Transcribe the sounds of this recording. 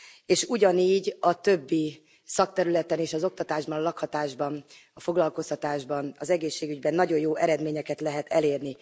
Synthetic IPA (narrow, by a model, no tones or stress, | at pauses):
eːʃuɟɒniːɟɒt̪ø̞bːi | sɒk̚t̪ɛɾylɛt̪ɛneːʃɒzo̞k̚t̪ɒt̪aːʒbɒnɒlɒkhɒt̪aːʒbɒnɒfo̞ɡlɒlko̞st̪ɒt̪aːʒbɒnɒzɛɡeːʃːeːɡyɟbɛnːɒɟo̞jjoːʔɛɾɛd̪meːɲɛkɛt̪lɛɦɛt̪ʰɛleːrni